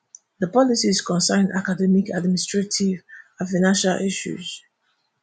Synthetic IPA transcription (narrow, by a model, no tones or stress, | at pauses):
ðəpɔlisizkʰɔ̃nsãna̰kadɛmikʰadministɹetʰivãnfaɪnãnʃalʔiʃṵz̥